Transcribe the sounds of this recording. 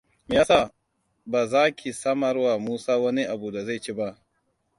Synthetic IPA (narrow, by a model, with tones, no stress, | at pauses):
m˨˦aː˦sa˦˨ | baː˨zaː˦kʲʰi˨sɐ˦mɐ˨˦rwa˨muː˦saː˦wɐ˦ni˦ʔa˨bu˨da˨za˦˨jt͡ʃi˦ba˦ʔ